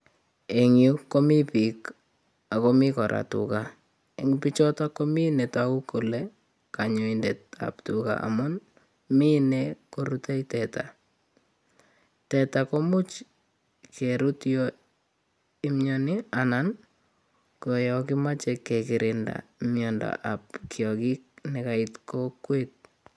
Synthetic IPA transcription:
eŋjukːomipik | akomɪkɔɾʔa̰tṵka | eŋpit͡ʃɔtakominetaukole | kaɲʊindet̚a̰ptuka̰ʔa̰mʊn | minekoɾutaitɛta̰ | tɛtakomʊt͡ʃ | kʰeɾutjɔ | ɪmjɔnɪanan | kojɔkɪmat͡ʃɛkːekɪɾʔɪnda̰mjɔnda̰ʔapkjɔkik̚nɛkaɪtkokwet̚

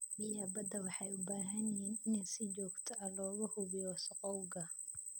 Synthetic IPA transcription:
bɪjaːbɐd̪ɐwɑħɑjʊbaːɦɐnɪhiːnɪnɛjsɪt͡ʃɔːɡt̪ʰɔʔɐlɔːɣɐhʊβɪjɔːsɔqɔwɡɐ

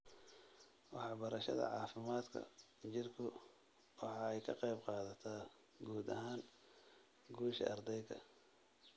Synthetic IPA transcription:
wɑħɑbɐɾɐʃɐ̰ðɐ̰ʕɑːfɪmaːd̪kʰɐ̰ | t͡ʃɪrkʰʊ | wɑħɑɛjkʰɐqɛjbqɑːðɐt̪ʰaː | ɡuːd̪ɐ̰ɦaːŋ | ɡuːʃɐ̰ɐrd̪ɛjkʰɐ̰

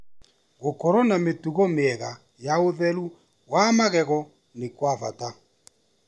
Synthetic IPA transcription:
ɣokɔɾɔnametuɣɔmeɛɣa | jaoðɛɾu | wamaɣɛɣɔ | nekwava̰ta

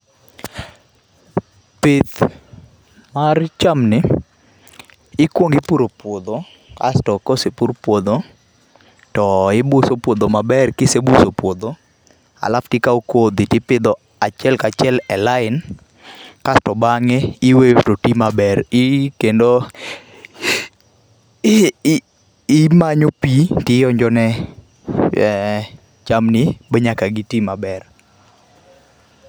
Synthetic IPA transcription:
pet̪ | mart͡ʃamnɪ | ɪkwoŋɡɪpuɾopwod̪o | ka̰stɔkosepuɾpwod̪o | tɔɪbusopwod̪omabɛrkɪsebusopwod̪o | a̰laftikaokod̪itipɪd̪ɔ | at͡ʃɛlkat͡ʃɛlɛlaɪn | kastɔbaŋeɪwetotimabɛrɪkendo | maɲopitɪjɔɲd͡ʒɔnɛ | t͡ʃamnɪbeɲakaɡɪtimabɛr

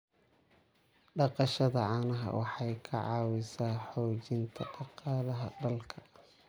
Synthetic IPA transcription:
ɖɑqɑʃɐðɐʕɑːnɐɦɐ̰wɑħɑjkʰɐʕɑːwɪsaːħɔːt͡ʃɪnt̪ʰɐʔɑqɑːlɐɦɐ̰ɖɐlkʰɐɐ

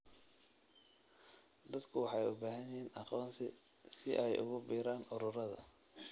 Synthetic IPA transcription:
d̪ɐd̪kʰʊwɑħɑɛjʊbaːɦɐjhiːnʔɑqɔːnsɪ | sɪʔɛjʔʊ̰ɣʊbiːɾaːnʔʊɾʊɾɐðɐ

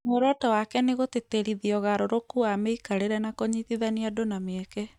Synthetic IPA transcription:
moɾɔtɔwakɛneɣoteteɾiðiɔɣaɾoɾokuameikaɾeɾɛnakoɲiθiðaniadonameɛkɛ

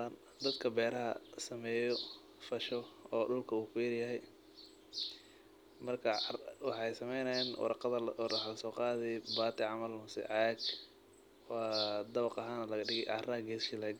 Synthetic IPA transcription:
an | d̪ɐd̪kʰɐbɛːɾɐɦɐ̰sɐmɛːjɔ | fɐʃɔɔːɖʊlkʰɐuːkʰʊjɐɾjɐɦɛj | mɐrkʰɐwɑħɑjsɐmɛjnɛjnw̰ɾqðɐħlɐsɔːqɑːðɛjbaːt̪ɪʕɑmɐlmʊsɪ̰ʕɑɡ | wɑːd̪ɐβɑqɐɦaːnɐlɐɣɐɖɪɣɛjʕɑ̰rɐːɡɛːsʃɪlɛɡ

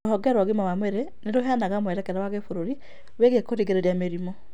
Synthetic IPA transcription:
ohɔɡɛɾwaɣimawamweɾeneɾoɦanaɣamowɛɾɛkɛɾawaɣefoɾoɾi | weɣekoɾiɣeɾeɾjameɾimɔ

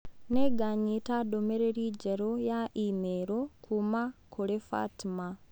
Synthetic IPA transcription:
neɡaɲitadomeɾeɾiːd͡ʒeɾojaʔimeɾo̞kʰumakʰulefa̰tima

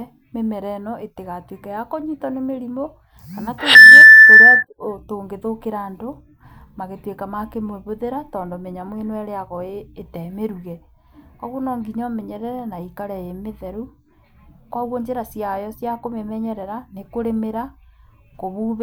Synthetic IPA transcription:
memɛɾɛnɔʔeteɣatwekɛjakɔɲitɔnemeɾimo | kanatoteɾeatoːŋɡeðokeɾaːndo | maɣetwekamakemoβoðeɾatɔːndɔmeɲamwenoɛɾeaɣɔeːtɛmeɾuɣɛ | ɔɣonɔːŋɡiɲɔmeɲɛɾɛɾɛnaikaɾɛemeðɛɾu | kwaɣwoɲd͡ʒeɾasiajɔsjakomemɛɲɛɾɛɾanekoɾemeɾa | koβuβ

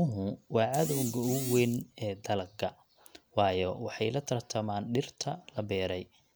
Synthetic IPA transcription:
ʊɦʊwɑːʕɑðɔwɣɐʊwɛnɛːd̪ɐlɡɐ | wɑːjɔwɑħɑjlɐt̪ʰɐrt̪ʰɐmaːnɖɪrt̪ʰɐlɐbɛːɾɛj

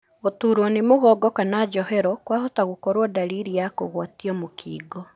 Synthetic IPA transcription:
otuːɾwɔnemoɣɔːɡɔkanad͡ʒɔhɛɾɔkwaɦɔtaɣokɔɾwɔdaɾiɾijako̰ɣwatiɔmokʰiːɡɔ

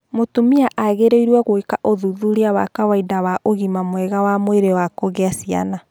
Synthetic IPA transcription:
motumiaʔaɣeɾeiɾwɛɣoikaʔoðuðuɾiawa̰kawaidawaʔoɣimamwɛɣawamweɾewakoɣeasia̰na

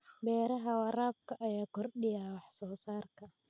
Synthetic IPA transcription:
bɛːɾɐɦɐwɑɾaːb̚kʰɐʔɐjaːkʰɔrɗɪjawɑħsɔːsaːrkʰɐ

